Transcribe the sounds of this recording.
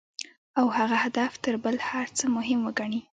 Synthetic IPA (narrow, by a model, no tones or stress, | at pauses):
awhaɣahad̪aft̪əɾbəlhaɾt͡səmʊɦɪmwəɡaɳi